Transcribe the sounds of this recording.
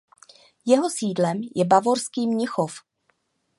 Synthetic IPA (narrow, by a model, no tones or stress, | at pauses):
jɛɦo̞siːdlɛmjɛbavoɾskiːmɲɪxof